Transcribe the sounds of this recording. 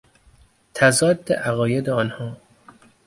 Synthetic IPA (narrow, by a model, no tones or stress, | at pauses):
t̪ʰæzɒːd̪ːḛʔæɣɒːjed̪eɒːnhɒː